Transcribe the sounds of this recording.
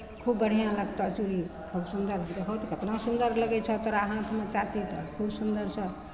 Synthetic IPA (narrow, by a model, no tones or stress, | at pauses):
kʰubːəɽ̤ijãləɡ̚t̪ʌt͡ʃuɾikʰubsund̪əɾd̪ekʰət̪ʰikʰət̪nãsund̪əɾləɡɛt͡ʃʰʌt̪ʌɾːɦãt̪ʰmãt͡ʃat͡ʃit̪ʌkʰubsund̪əɾsʰʌ